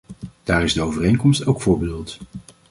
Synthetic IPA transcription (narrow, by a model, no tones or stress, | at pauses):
d̥aːrɪzdəowvərejnkɔmstowkfʊːɹbeːlˠt